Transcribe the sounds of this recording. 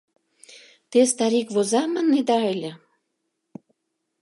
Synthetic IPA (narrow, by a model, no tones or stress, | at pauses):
t̪est̪ɑɾikβozɑməned̪ɑelʲĕ